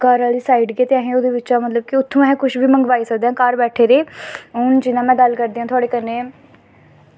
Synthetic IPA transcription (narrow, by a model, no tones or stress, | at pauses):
kəɾaːliːsaːiːɖɡeːt̪eːaːɦẽːoːd̪eːʋɪt͡ʃaːmət̪ləb̚kɪʊt̪ʰːõːɛɦɛ̃ːkʊʃbiːməŋɡʋaːiːsək̚d̪eãːkaːɾbɛːʈʰeːɾeːʊnd͡ʒɪnãːmɛ̃ːɡəlkəɾd̪iːãːt̪ʰʊaːɽeːkəneː